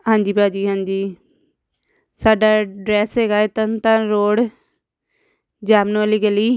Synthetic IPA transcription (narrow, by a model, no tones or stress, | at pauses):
ɦãːɲd͡ʒiːpaːd͡ʒiːɦãːɲd͡ʒiː | saːɖaːɖɾɛːsɦeːɡaːeːt̪ənt̪ãːɾoːɽ | d͡ʒaːmnõliɡəliː